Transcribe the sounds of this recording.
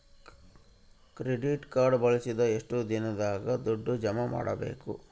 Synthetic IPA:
kɾeɖiʈkaːɾɖbɐɭisid̪ɐeʂʈud̪inɐd̪aːɡɐd̪ɔɖːud͡ʒɐmɐma̰ːɽɐ̰be̞̰ːkṵ

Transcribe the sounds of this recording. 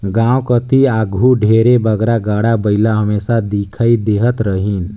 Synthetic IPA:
ɡãwkət̪iaɡʱuɖʱeɾebəɡɾaɡaɽabəjlaɦəmesad̪ikʰaid̪eɦət̪ɾəɦin

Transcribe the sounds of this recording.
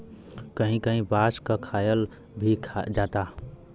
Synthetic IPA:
kəɦĩkəɦĩbaskəkʰajəl | bʱikʰd͡ʒat̪a

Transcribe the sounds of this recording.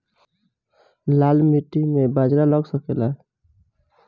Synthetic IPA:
lalmiʈimebad͡ʒɾaləɡsəkela

